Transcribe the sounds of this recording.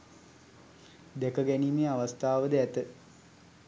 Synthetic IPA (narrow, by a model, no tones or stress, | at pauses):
d̪ekəɡæniːmeːaʋast̪aːʋəd̪əæt̪ə